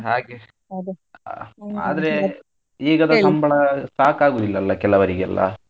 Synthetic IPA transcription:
ɦaːɡe | d̪ | a̰ːd̪ɐɾe | eːɡɐd̪ɐsɐmbʱɐɭɐsaːkaːɡuːd̪ilːɐːlːɐkɛlːɐʋɐɾiɡeɐ̰lːʔɐ̰

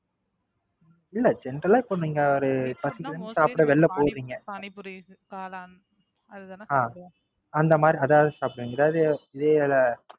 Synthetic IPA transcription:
ɪlːɐd͡ʒɛndɾɐlaːɪpːoniːŋɡɐɔɾɯpɐsɪkːɪɐnɯsaːpɽɐʋɛɭːɐpoːɾɾiːŋɡɐ | aː | ɐnd̪ɐmaːd̪ɾiɐðaːʋɐðɯsaːpʈɐʋiːŋɡɐɛðaːʋðɯɪðeːlɐ

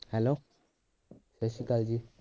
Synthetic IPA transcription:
hɛlo | səɕikald͡ʑi

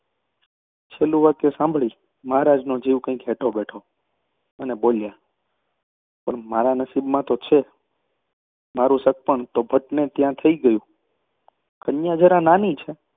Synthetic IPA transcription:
t͡ʃʰelũʋakesãmbʱɭi | maɦaɾad͡ʒnõd͡ʒijũkãĩkɦeʈʰobɛʈʰo | ənebolja | pəɳmaɾanəsibmãt̪ot͡ʃʰe | maɾũsək̚pəɳt̪obʱəʈnet̪jãt̪ʰəiɡəjũ | kənjãd͡ʒəɾãnanĩt͡ʃʰe

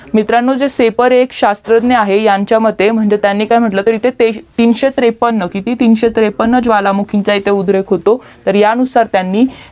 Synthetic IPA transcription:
mit̪ɾanːod͡zesepəɾekɕast̪ɾəd̪neaɦejaɲt͡ɕjaməd̪ʱːem̤əɳd͡zet̪janːiːkajm̤əʈlət̪əɾit̪et̪et̪iːnɕet̪ɾepənːəkit̪iːt̪iːnɕet̪ɾepənːəd͡zʋalamukʰiɲt͡sait̪eud̪ʱɾekɦot̪o | t̪əɾjaənusaɾt̪janːiː

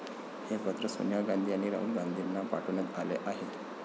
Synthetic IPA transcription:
hepət̪ɾəso̰njaɡand̪ʱiːaniɾa̰ulɡand̪ʱiɾnːapa̰ʈʰunət̪aleʔaɦe

